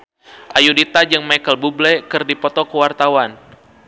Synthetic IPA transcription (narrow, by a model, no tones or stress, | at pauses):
ʔajudit̪ad͡ʒəŋmajkəlbublɛkɨrdipɔt̪ɔkəwart̪awan